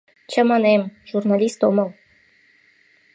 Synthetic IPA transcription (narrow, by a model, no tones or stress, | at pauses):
t͡ɕʰəmɑnɛmʒ̥urnɑlʲist̪oməl